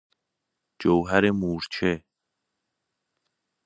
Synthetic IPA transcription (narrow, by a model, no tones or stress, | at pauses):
d͡ʒowɦæɾemuːɾt͡ʃʰe